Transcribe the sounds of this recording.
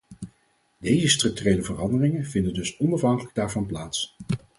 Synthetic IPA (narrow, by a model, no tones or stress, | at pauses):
dejzəstrɵk̚tyrejləvərɑndərɪŋənvɪndəndɵsɔnɑfɦɑŋkələɡ̚daːɹvɑnplaːts